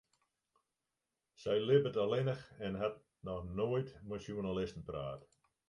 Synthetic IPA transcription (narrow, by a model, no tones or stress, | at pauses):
sɛjlɪbətalɪnəxɛnɦat | nɔxnoːjtmasjunalɪstn̩pra̰ːt